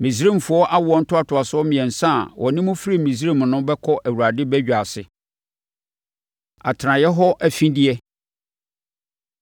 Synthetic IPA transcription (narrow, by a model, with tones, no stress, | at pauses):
mĩ˨s̬ẽ˦m˨fʊ˨ɔ˦ʔa˦wʊ˨ɔ˦n̩˦tʰʊ˦a˦tʰʊ˨a˨sɔ˦mɪ̃˨ɛ̃˨n̩˨sã˦˨wʔɔ˨nɪ̃˦mʊ̃˦fi˦ɾi˦˨mĩ˨s̬ɾẽ˦˨m˨nʊ̃˦bɛ˦kʰɔ˦ʔæ˨wu˨ɾa˨dɪ˦bæ˦d͡ʑᶣa˨sɪ˨ | a̰˨tʰɾã˨jɛ˦ɦɔ˦ʔæ˨fĩ˦di˦ɛ˦